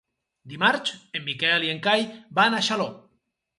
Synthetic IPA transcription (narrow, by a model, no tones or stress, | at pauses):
d̪imaɾt͡ʃemːikɛlieŋkajbanaʃalo